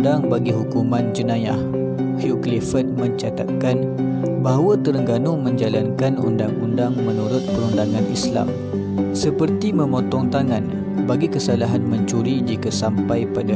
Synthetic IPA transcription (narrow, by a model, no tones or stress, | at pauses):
daŋbaɡiɦukumãnd͡ʒənãja̰h | huklifət̚mə̃ɲt͡ʃat̪a̰t̪̚kan | baɦwat̪əɾəŋɡanumə̃ɲd͡ʒalankanṵndaŋundaŋmənuɾʊt̪̚pəɾundaŋãnisla̰m | səpərt̪imə̃mɔt̪ɔŋt̪aŋan | baɡikəsalaɦanməɲt͡ʃuɾid͡ʒikasampajpada